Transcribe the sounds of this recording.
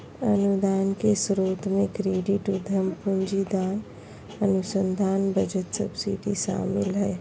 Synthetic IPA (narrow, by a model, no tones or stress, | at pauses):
ənud̪aːnkesɾoːt̪mẽkɾeːɖiʈud̪ʱəmpund͡ʒid̪aːn | ənusə̃nd̪ʱaːnbəd͡ʒət̪sə̰bsiʈiʃa̰ːmɪlɦɛ